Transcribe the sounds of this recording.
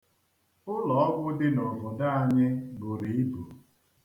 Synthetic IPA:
ʊ˦lɔ˨ɔ˦ɡʷʊ˦dɪ˦nʊ˨vʊ˨da˦a˨ɲɪ˦bʊ˨ɾi˨˦i˦bu˨

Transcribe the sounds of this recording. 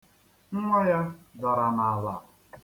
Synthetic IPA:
ŋ̩˦ŋʷa˦ja˦ɡa˨ɾa˨na˨a˨la̰˨

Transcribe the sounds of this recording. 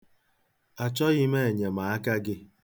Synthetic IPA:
a˨t͡ʃɔ˦ɣɪ˦me˦e˨ɲe˨ma˨a˦ka˦ɡɪ˦

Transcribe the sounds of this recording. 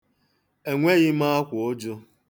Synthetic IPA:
e˨ŋʷe˦ɣɪ˦ma˦a˦kʷʊ˨o˦d͡ʒo˦

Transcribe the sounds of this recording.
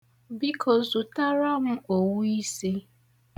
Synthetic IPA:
bi˦kʰo˨zu˨ta˦ɾa˦mʊ˦o˨wu˦i˦si˦

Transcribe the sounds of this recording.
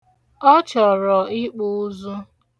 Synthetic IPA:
ɔ˦t͡ʃɔ˨ɾɔ˨ɪ˦k͡pu˦u˦zu˦

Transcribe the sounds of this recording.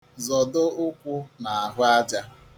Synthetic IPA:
zɔ˨dʊ˦ʊ˦kʷʊ˦na˨a˨ɦʊ˦a˦d͡ʒa˦

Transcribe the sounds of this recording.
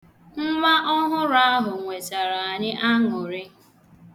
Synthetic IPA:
m̩˦ma˦ʔɔ˦ɦʊ˦ɾa˦ɦʊ˨ŋʷe˨ta˨ɾa˨a˨ɲɪ˦ʔa˦ŋʊ˨ɾɪ˦

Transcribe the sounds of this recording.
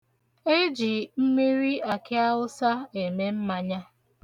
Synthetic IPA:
e˦d͡ʒi˨m̩˦mi˦ɾi˦a˨kɪ˦a˦wʊ˦sa˦e˨me˦m̩˦ma˨ɲa˦

